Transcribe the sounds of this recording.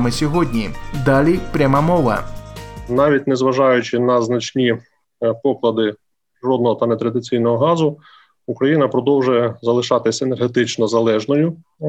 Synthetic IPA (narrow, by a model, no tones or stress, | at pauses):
mɪsʲɔɦɔdʲnʲid̪ɑlʲipɾʲɐmɑmɔʋɐ̰ | nɑʋʲitʲnɛzʋɐʒɑjʊt͡ʃɪnɐznɐt͡ʃnʲi | pɔklˠɐd̪ɪ | ʐɔd̪nɔɦɔt̪ɐnɛt̪ɾɐd̪ɪt͡sʲijn̪ɔɦɔɦɑzʊ | ukɾɐjinɐpɾɔd̪ɔwʒʊjɛzɐlˠɪʃɑt̪ɪsʲenerɦet̪ɪt͡ʃnɔzɐlˠɛʒnɔjʊ